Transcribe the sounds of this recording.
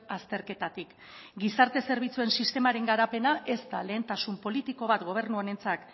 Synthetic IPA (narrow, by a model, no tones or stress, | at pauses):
ast̪e̞ɾke̞t̪at̪ik | ɡisaɾt̪e̞se̞ɾβ̞it͡sue̞nsist̪e̞maɾe̞ŋɡaɾape̞naʔe̞st̪ale̞ːnt̪asumpo̞lit̪iko̞βat̪ɡo̞β̞e̞rnuane̞nt͡sak